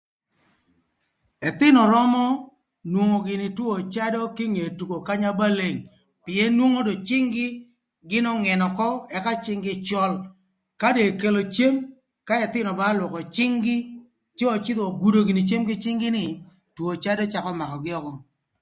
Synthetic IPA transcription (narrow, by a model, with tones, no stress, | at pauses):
ɛ˨t̪ɪ˦nɔ˨ɾɔ˦mɔ˦ | nwo˨ŋo˨ɡɪ˨nɪ˨two˨t͡ʃa˦dɔ˦kɪ˦ŋe˨tu˨ko˨ka˦ɲa˦ba˦le˨ŋ | pɪ˨e˦nwo˦ŋo˦do˨t͡ʃɪ˦ŋɡɪ˦ | ɡɪ˦nɔ˦ŋɛ˨nɔ˨kɔ˦ɛ˦ka˦t͡ʃɪ˦ŋɡɪ˦t͡ʃɔ˦l | ka˦de˨ke˨lo˨t͡ʃe˦m | ka˦ɛ˨t̪ɪ˦nɔ˨ba˦lwɔ˨kɔ˨t͡ʃɪ˦ŋɡɪ˦ | t͡ʃe˦o˨t͡ʃɪ˦d̪ɔ˨ɡu˨do˨ɡɪ˨nɪ˨t͡ʃe˦mɡɪ˦t͡ʃɪ˦ŋɡɪ˦nɪ˨ | two˨t͡ʃa˦dɔ˦t͡ʃa˦kɔ˦ma˨kɔ˨ɡɪ˦ɔ˦kɔ˦